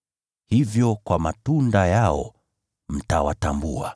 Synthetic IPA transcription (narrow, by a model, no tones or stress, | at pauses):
hivjɔkwamatundajaɔ̰ | m̩tawa̰tambua